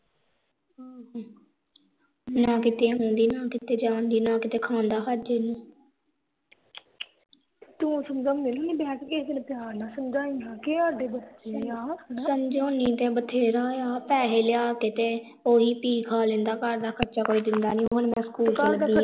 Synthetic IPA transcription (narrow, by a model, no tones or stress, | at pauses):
ɦ | nãːkɪt̪eːɦõːnd̪iːnaːkɪt̪eːd͡ʒãːnd̪iːnãːkɪt̪eːkʰãːnd̪aːkʰəd͡ʒeːnũː | t̪ũːsəmd͡ʒaːmɪlnĩːbɛːkɪsd̪ɪnpɪjaːɾnãːsəmd͡ʒaːiːɦãːkeaːɖeːbətːʃeaːsəmd͡ʒoːnĩːt̪ẽːbət̪ʰeːɾaːjaːpɛːɦeːlɪjaːkɪt̪eː | oːɦiːpiːkʰaːlẽnd̪aːkəɾd̪aːkʰətːt͡ʃaːkoːiːd̪ɪnd̪aːnĩːɦonmɛ̃ːsə̥kuːlaɾld̪iː